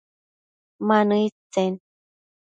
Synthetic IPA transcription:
manɯit͡sen

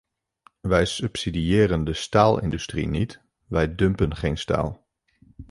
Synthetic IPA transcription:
ʋɛjsʏpsidiɪːrəndəstaːlˠɪ̰ndystrḭnit | ʋɛjdɵmpənχejnsta̰ːlˠ

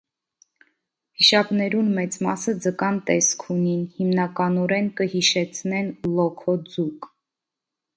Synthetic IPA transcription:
hiʃɑpnɛɾunmɛt͡smɑsəd͡zəkɑnt̪ɛskʰuninhimnɑkɑnɔɾɛnkəhiʃɛt͡sʰnɛnlɔkʰɔd͡zuk

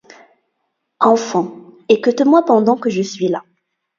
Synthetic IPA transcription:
ɑ̃fɑ̃ekət̪əmwapɑ̃d̪ɑ̃kəʒəsɥila

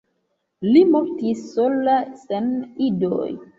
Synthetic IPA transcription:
limoɾtisːolasenido̰j

